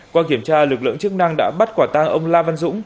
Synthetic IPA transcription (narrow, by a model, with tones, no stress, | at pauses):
kwaː˧k̬i˧˩əmt͡ɕaː˧lɨ˨˩k̚lɨ̰˧˨əŋt͡ɕɨ˦˥k̚na˧ŋɗa̰ː˧˥ɓa˦˥t̚kwaː˧˩t̪a˧ŋʔə˧wŋ͡mlaː˧va˧nzʊ̰˧˥ŋ͡m